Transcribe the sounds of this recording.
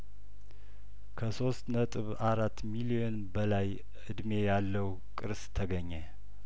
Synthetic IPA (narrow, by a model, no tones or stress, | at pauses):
kʰəso̞st̪nət̪ʼɨβaɾat̪ːmilijo̞nbəlaj | ɨd̪me̞jalːəw | kʼɨɾst̪ʰəɡəɲːe